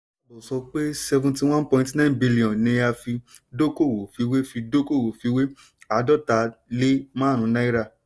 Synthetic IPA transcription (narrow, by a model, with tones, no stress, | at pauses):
bɔ˨sɔ˧k͡pe˦sɛ˧vũ˧nti˧w̃ã˦npɔ̃˧ĩntnã˦˨nbi˧li˨ɔ̃˨nĩ˧ja˧fi˧ | do˦ko˦˨wo˨fi˨˧˦we˦fi˧do˦ko˦˨wo˨fi˨˧˦we˦ | a˧dɔ˦˨ta˧˦le˦mã˦˨ɾ̃ũ˨˧nã˦i˦ɾa˧˨